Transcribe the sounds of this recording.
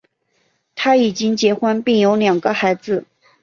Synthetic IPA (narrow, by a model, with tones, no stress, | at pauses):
t̪ʰa˥i˨˩t͡ɕi˥ŋt͡ɕjɛ˧˥xwa˥npi˥˩ŋjo˧˥ʊljɑ˨˩ŋɡə˦xa˧˥ɪd͡zɹ̩˧